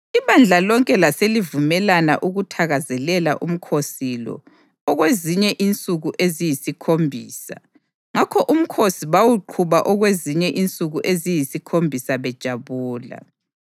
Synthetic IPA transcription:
iβand͡ɮʱalɔŋkʼɛlaselivumɛlana̰ʔuɣutʰaɣazɛlɛlaʔum̩kʰosilɔ̰ | ɔɣweziɲɛʔint͡sʼuɣuʔezijisikʰombʱiːsa | ŋakʰɔʔum̩kʰosiβawuǃʰuβaʔɔɣweziɲɛʔint͡sʼuɣuʔezijisikʰombʱisaβɛd̥ʒ̥ʱaβuːla̰

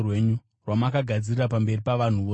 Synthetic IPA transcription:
we̞ɲu | rwamakaɡʱad͡zirirapambe̞ripaʋan̤uʋoː

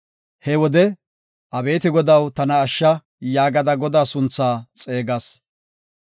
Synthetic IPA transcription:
hɛwɔd̪ɛ | ʔɐbe̞ːt̪ɪɡɔd̪ɐwt̪ɐnɐːʃːɐ | jaːɡɐd̪ɐɡɔd̪aːsʊnt͡sːaːt͡sʼe̞ːɡɐs

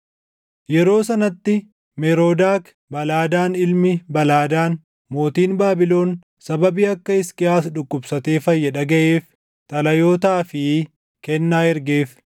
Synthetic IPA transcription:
jɛɾo̞ːsɐnɐt̪ːɪ | mɛɾo̞ːd̪aːk | bɐlaːd̪aːnɪlmɪbɐlaːd̪aːn | mo̞ːt̪iːnbaːbɪlo̞ːn | sɐbɐbiːɐkːɐɪskʼɪaːsᶑʊkːʊbsɐt̪e̞ːfɐjːɐᶑɐɡɐʔeːf | t̪ʼɐlɐjo̞ːt̪aːfɪ | kɛnːaːɛɾɡeːf

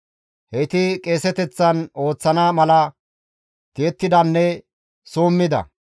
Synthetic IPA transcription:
hɛt̪ɪkʼe̞ːsɛt̪ɛt͡sːɐno̞ːt͡sːɐnaːmɐlɐ | t̪ɪːt̪ːɪd̪ɐnːɛ | soːmːɪd̪ɐ̰

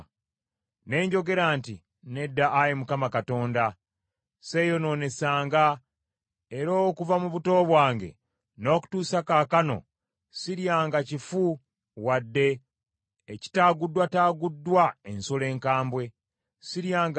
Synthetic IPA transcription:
ne̞ːɲɟo̞ɡe̞ɾantḭ | ne̞dːaʔːjemukamakato̞ːnda | sejo̞no̞ːne̞saːŋɡa | eɾo̞ːkuvamuβuto̞ːβwaːŋɡe̞̰ | no̞ːku̥tuːsakaːkano̞̰ | siɾjaːŋɡacifu | wadːe̞ː | ci̥taːɡudːwataːɡudːwae̞nsole̞ːŋkaːmbwe̞ | siɾjaːŋɡ

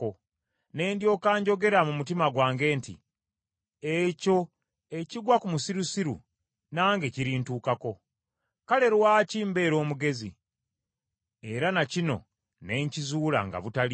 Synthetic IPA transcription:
o | ne̞ːndjo̞ːkaːɲɟo̞ɡe̞ɾamumutimaɡwaːŋɡe̞ːntḭ | eco̞ | e̞ciɡwakumusiɾusiɾṵ | naːŋɡe̞ciɾiːntuːkako̞ | kale̞ɾwaːciːmbe̞ːɾo̞ːmuɡe̞zḭ | e̞ɾanacino̞̰ | ne̞ːɲcizuːla̰ŋɡa̰βutali

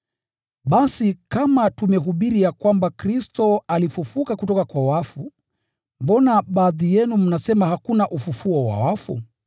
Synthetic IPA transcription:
ɓasikamatumɛɦuɓiɾijakwambakɾistɔalifufukakutɔkakwawafu | mbɔnaɓaːðijɛnum̩nasɛmahakunaʔufufuɔwa̰wafṵ

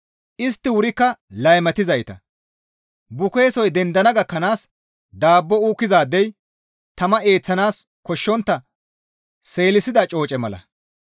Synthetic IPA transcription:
ʔɪs̬t̪ːɪwʊɾɪkːɐlɐjmɐt̪ɪzɐjt̪ɐ̰ | bʊke̞ːsɔjd̪ɛnd̪ɐnɐɡɐkːɐnaːs | d̪aːbːɔuːkːɪzaːd̪ːɛj | t̪ɐmɐe̞ːt͡sːɐnaːs | kɔʃːɔnt̪ːɐ | se̞ːlɪsɪd̪ɐt͡ʃʼo̞ːt͡ʃʼɛmɐlɐ̰

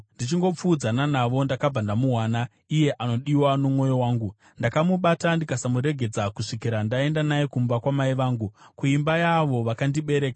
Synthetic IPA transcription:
ndit͡ʃiŋɡo̞p͡fuːd͡zananaʋo̞ndakab͡vandamuɦwana | ije̞ʔano̞ɗiwano̞mwo̞jo̞waːŋɡu | ndakamuɓatandikasamuɾe̞ɡʱe̞d͡zakuʂikiɾandae̞ndanajekumbakwamaiʋaːŋɡukuimbajaʋo̞ʋakandiɓe̞ɾe̞ːka

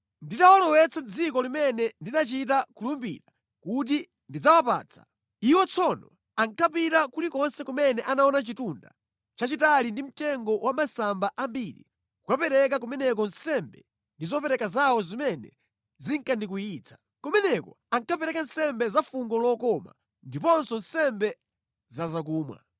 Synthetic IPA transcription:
nditawalɔwɛt͡sʰand͡zikɔlimɛnɛndinat͡ʃit̬akulumbḭɾa | kut̬i | ndid͡zawapa̰ːt͡sʰḁ̰ | iwɔt͡sʰɔnɔ | aŋkʰapitakulikɔnsɛkumɛnɛʔanaɔnat͡ʃitunda̰ | t͡ʃat͡ʃitalindim̩tɛŋɡɔwʔamasambaʔambiːɾḭ | kukapɛɾɛk̬ak̬umɛnɛk̬ɔn̩sɛmbɛ̰ | ndizɔpɛɾɛkazawɔzimɛnɛ̰ | ziŋkandik̬ujiːt͡sʰḁ | kɔmɛnɛkɔ | aŋkʰapɛɾɛkan̩sɛmbɛzafuŋɡɔlɔkɔma̰ | ndipɔnsɔn̩sɛmbɛ | zazak̬uːmwa̰

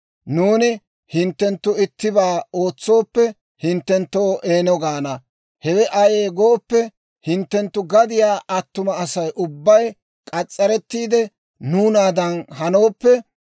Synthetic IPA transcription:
nuːnɪ | hɪnt̪ːɛnt̪ːʊɪt̪ːɪbaːo̞ːt͡sːo̞ːpːɛ | hɪnt̪ːɛnt̪ːo̞ːʔeːnɔɡaːnɐ | hɛwɛʔɐjeːɡoːpːɛ | hɪnt̪ːɛnt̪ːʊɡɐd̪ɪjaːʔɐt̪ːʊmɐːsɐjʔʊbːɐj | kʼɐt͡sʼːɐɾɛt̪ːiːd̪ɛ | nuːnaːd̪ɐnhɐno̞ːpːɛ

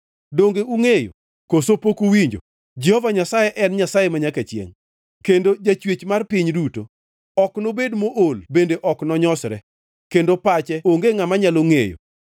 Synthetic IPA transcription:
doŋɡeuŋejo̰ | kosopokuwiɲd͡ʒo̰ | d͡ʒɛhɔvaɲasajɛʔɛnɲasajemaɲakat͡ʃjḛŋ | kendod͡ʒat͡ʃwet͡ʃmarpɪɲduto | ɔknobedmoʔolbendeʔɔknɔɲɔsɾɛ̰ | kendopat͡ʃɛoŋɡeŋamaɲaloŋejo̰

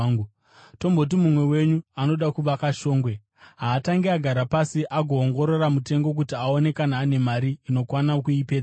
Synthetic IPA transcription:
u | to̞mbo̞t̬imumwe̞we̞ɲuano̞ɗakuʋakaʃo̞ːŋɡwe̞ | ɦaːtaŋɡeaɡʱaɾapasiʔaɡʱo̞ːŋɡo̞ɾo̞ramute̞ŋɡo̞k̬utiao̞ne̞kanaːne̞maɾiːno̞kwanakuipeːa

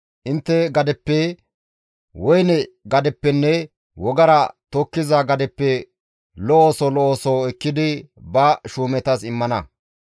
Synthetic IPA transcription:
ʔɪnt̪ːɛɡɐd̪ɛpːɛ | wɔjnɛɡɐd̪ɛpːɛnːɛ | wɔɡɐɾɐt̪okːɪzɐɡɐd̪ɛpːɛ | lɔoːsɔlɔoːsoɛkːɪd̪ɪ | bɐʃuːmɛt̪ɐsɪmːɐnɐ

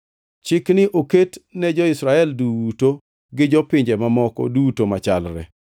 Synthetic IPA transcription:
t͡ʃɪknɪʔoketnɛd͡ʒɔɪsɾaɛlduto | ɡɪd͡ʒɔpɪɲd͡ʒɛmamɔkɔ̰dutomat͡ʃa̰lɾɛ̰

